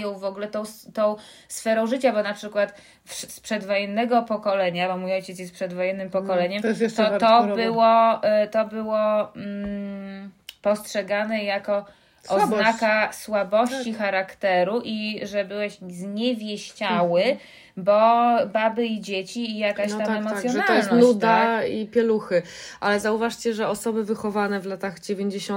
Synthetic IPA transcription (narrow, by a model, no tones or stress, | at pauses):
jɔ̃w̃vɔɡulɛt̪ɔ̃w̃st̪ɔ̃w̃ | sfɛɾɔ̃w̃ʐɘt͡ɕabɔnapʂɘkwat̪ | fʂspʂɛd̪vɔjɛnːɛɡɔpɔkɔlɛɲabɔmujɔjt͡ɕɛt̪sjɛst̪pʂɛd̪vɔjɛnːɘmpɔkɔlɛɲɛmt̪ɔt̪ɔbɘwɔt̪ɔbɘwɔm̩ | pɔstʂɛɡanɛjakɔ | ɔznakaswabɔɕt͡ɕixaɾakt̪ɛɾuʔiʐɛbɘwɛɕzɲɛvʲjeɕt͡ɕawɘ | bɔbabɘid͡ʑet͡ɕiːjakaɕt̪amɛmɔt̪jɔnaɔjlsnɔnud̪aipʲjɛluxɘʔalɛzauvaʂt͡ɕɛʐɛɔsɔbɘvɘxɔvanɛvlat̪aɣd͡ʑevʲeɲd͡ʑeɕɔ